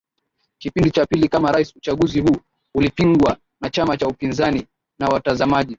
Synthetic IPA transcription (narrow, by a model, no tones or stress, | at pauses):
kipindit͡ʃapilikamaɾaisut͡ʃaɠuzihuː | ulipiŋɡwa | nat͡ʃamat͡ʃaupinzani | nawatazamaʄi